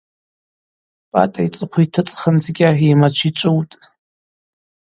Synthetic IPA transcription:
pʼa̰tʼait͡sʼɨqʷʰitʰɨt͡sʼχənzɡʲaħimat͡ʃʷʰiʈ͡ʂʷʼɨwtʼ

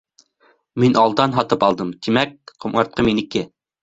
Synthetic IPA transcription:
minʔɑlˠd̪ɑnɦɑt̪ɨpɑlˠd̪ɨmt̪ʰimɛk̚qʰomɑɾt̪̚qʰəminɪkʲɪ

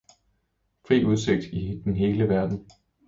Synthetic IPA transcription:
fʁḭːuð̞ˠse̝ɡ̥̚d̥id̥enɦe̝ːləʋæɐd̥n̩

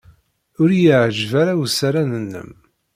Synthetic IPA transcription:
ʊɾjəʕʒvaɾawsaɾanənːə̰m

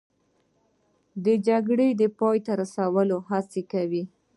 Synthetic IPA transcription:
d̪əd͡ʒaɡɽed̪əpɑjt̪aɾasawəloɦat͡sekawi

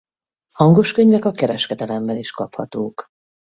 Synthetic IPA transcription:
hɒŋɡo̞ʃkøɲvɛkɒkɛɾɛʃkɛd̪ɛlɛmbɛniʃkɒphɒt̪oːk

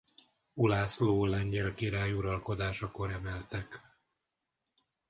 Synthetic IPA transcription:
ulaːsloːlɛɲɟɛlkiɾaːjuɾɒlko̞d̪aːʃɒko̞ɾɛmɛlt̪ɛk

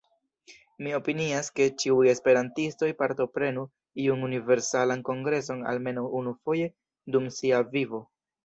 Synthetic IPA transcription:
mio̞piniaske̞t͡ʃiuje̞spe̞ɾantisto̞jpaɾto̞pɾe̞nu | iununive̞ɾsalanko̞ŋɡɾe̞s̬o̞na̰lme̞nawunufo̞je̞ | dumsiavivo̞

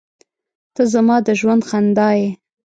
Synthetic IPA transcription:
t̪əzamɑd̪əʒwand̪xand̪ɑje

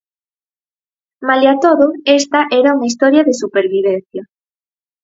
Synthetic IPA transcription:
malat̪oðʊest̪aʔɛɾauŋaist̪ɔɾjaðesupeɾβiβen̟θja

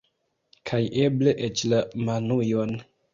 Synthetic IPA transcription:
kʰajʔebleʔet͡ʃlamanujon

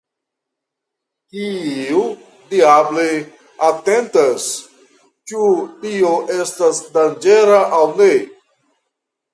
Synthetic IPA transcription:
kiu | diable | atentas | t͡ʃutioʔe̞stasdand͡ʒe̞ɾaʔawne

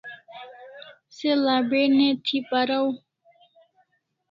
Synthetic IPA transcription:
selaːbenet̪ʰipaɾaw

